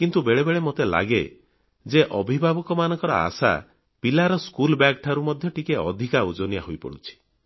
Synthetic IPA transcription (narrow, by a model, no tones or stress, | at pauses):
kint̪ubeɭebeɭemot̪ela̰ɡe | d͡ʒeʔɔbʱibʱabɔkɔmanɔŋkɔɾɔ̰a̰sa̰ | pilaɾɔskulbjakʈʰaɾumɔd̪ʱjɔʈikeɔd̪ʱikaud͡ʒonijaɦojpɔ̰ɽut͡ʃʰi̥